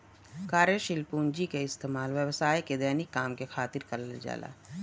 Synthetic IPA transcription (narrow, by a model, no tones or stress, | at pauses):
kaːɾjəʃɪlpuːnd͡ʒikeɪst̪eːmaːlʋjəʋsaːjked̪ɛːnɪkːaːmkexʰaːt̪ɪɾkɐɾəld͡ʒa̰ːla̰ː